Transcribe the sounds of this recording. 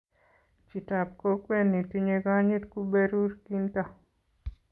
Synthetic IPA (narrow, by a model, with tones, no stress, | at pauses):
t͡ʃi˨ta˨p̚ko˦kwe˦nːi˨tiɲeɡa˦ɲi˦tku˦be˦ɾu˦ɾki˦nta˦